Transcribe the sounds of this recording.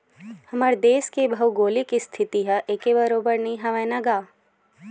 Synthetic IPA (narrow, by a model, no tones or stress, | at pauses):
hɐməɾd̪eːskebʱɐwɡoːlikist̪ʰɪt̪iɦɐʔeːkebəɾoːbəɾniɦɐʋɛːnaɡaː